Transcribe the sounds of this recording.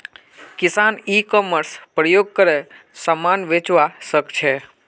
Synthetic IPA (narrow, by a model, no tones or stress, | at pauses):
kɪsanikɔməɾspɾəjoɡ̚kəɾe | samanʋet͡ʃʋaʃəkt͡ʃʰe